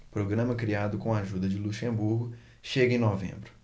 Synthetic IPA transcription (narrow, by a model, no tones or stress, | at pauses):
pɾoɡɾɐ̃mɐkɾiad̪ʊkõaʒud̪ɐd͡ʒɪluʃẽmbuɾɡʊ | ʃeɡɐẽnovḛ̃mbɾʊ